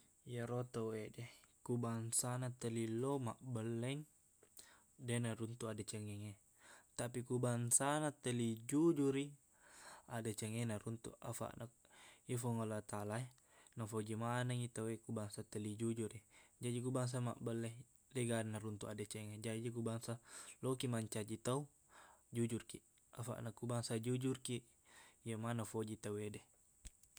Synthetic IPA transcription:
ijaɾot̪awedɛkubaŋsanat̪əlilomaʔbəlːɛŋ | denaɾunt̪uadat͡ʃɛŋɛŋe | t̪apikubaŋsanat̪əlid͡ʒud͡ʒuɾi | adat͡ʃɛŋenaɾunt̪ṵʔa̰fa̰ʔnʔak̚ifɔŋalat̪alae | nafod͡ʒimanaŋit̪awekubaŋsat̪əlid͡ʒud͡ʒuɾid͡ʒad͡ʒik̬ubaŋs̬ama̰ʔbəlːɛ | leɡanːaɾunt̪uʔadat͡ʃɛŋed͡ʒad͡ʒik̬ubaŋsalokimaɲt͡ʃad͡ʒit̪au | d͡ʒud͡ʒurki | afa̰ʔnakːubaŋsad͡ʒud͡ʒurki | jəmanafod͡ʒit̪awede

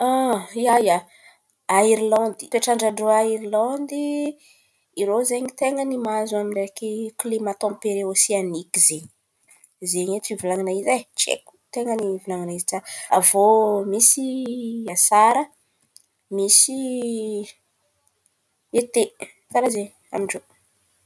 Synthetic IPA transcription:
aiaja | aiɾilɔ̃nd̪ipeʈ͡ʂaɳɖ͡ʐaɳɖ͡ʐoaiɾilɔ̃nd̪i | iɾozeɲit̪eŋənimazuamiɖ͡ʐekiklimat̪ɔ̃mpeɾeosianikizeɲi | zeɲet͡sivulaŋinaizat͡ʃḛku̥t̪eŋənivulaŋinaiziʈ͡ʂaavomisiasaɾə | misi | et̪e | saɾazeɲ | a̰miɳɖ͡ʐo

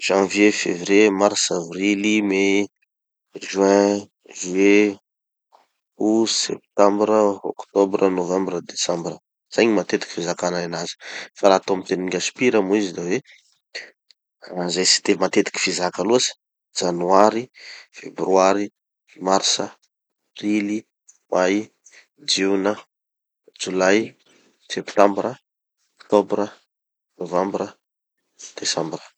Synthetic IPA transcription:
ʒ̥ãvjefevrjemarsavrilime | ʒɛ̃ | ʒye | uzsḛp̚t̪ãmbɾəo̰kt̪obrənovãmbrəd̪esãmbrə | z̥ajɲimat̪et̪i̥ki̥fizakanaanazi̥faɾaːt̪omit̪eniɡʲasi̥piɾamuizid̪ave | zajsi̥d̪emat̪et̪i̥kʲi̥fizakaluasi̥ | d͡ʒanuaɾifebryaɾi | marsə | prili | maj | d͡ʒinə | d͡ʒulaj | sept̪ãmbɾə | okt̪obɾə | novambɾə | d̪̥esãmbrə̥

